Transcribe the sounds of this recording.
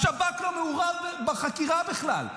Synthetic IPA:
ʃabaklomeuʁadbaχakiʁabeχla̰l

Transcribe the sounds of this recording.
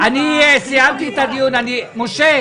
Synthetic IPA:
aniɛsiamkit̪adiunanimuʃɛ

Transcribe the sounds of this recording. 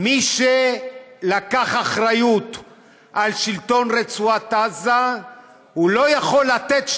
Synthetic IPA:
miʃelakaχaχʁajut̪ | ʔalʃilt̪o̞nʁet͡suat̪aza | hulo̞jaχo̞lːat̪et̪ʃ

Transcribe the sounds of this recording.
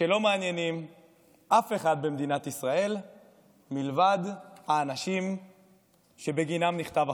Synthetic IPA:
ʃelo̞meanjenim | ʔafe̞χad̪̚bemd̪inat̪isʁae̞l | milvad̪haːnaʃim | ʃe̞beɡinamniχt̪ava

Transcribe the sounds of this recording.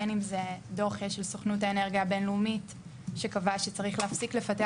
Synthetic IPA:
enimzedoχjeʃelsoχnut̬aeneʁɡiabe̞nlumit | ʃekavaʃet͡saʁiχleːfsikle̞fate

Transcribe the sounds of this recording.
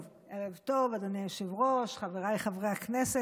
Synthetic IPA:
elevt̪ovad̪onejoʃevʁoʃχaveʁajχavʁeaknese

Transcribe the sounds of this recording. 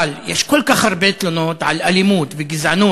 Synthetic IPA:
aljeʃkolkaχhaɾˤbet̪lonot̪ʕa̰lʔalimuːt̪veɡizʕanuː

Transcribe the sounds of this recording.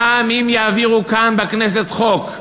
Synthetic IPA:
aːmimjaːviʁukanbeknes̬e̞t̪χo̞k

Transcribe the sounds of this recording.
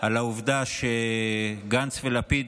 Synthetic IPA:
alauvd̪aʃeɡant͡svelapid̪

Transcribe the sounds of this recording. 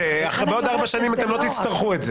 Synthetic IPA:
eaχaʁbeo̞d̪aʁbaʃanimat̪e̞mlo̞t̪it͡st̪aʁχuetze

